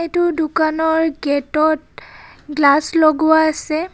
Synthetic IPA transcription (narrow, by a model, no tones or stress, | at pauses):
jtʊdukanɔɹɡɛtɔt̚ɡlasloɡʊwaːsɛ